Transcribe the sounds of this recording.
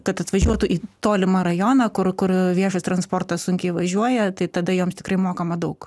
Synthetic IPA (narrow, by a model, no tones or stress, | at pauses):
kɐt̪ɐt̪ʋɐʒʲuɔt̪ʊʔiːt̪oːlʲɪmɐɾɐjoːnɐkʊɾkʊɾʋʲiɛʃɐst̪ɾɐnsport̪ɐssʊŋʲkʲɛɪʋɐʒʲuɔjɛt̪ɐɪt̪ɐd̪ɐjoːmst̪ʲɪkɾɐɪmoːkɐmɐd̪ɐʊk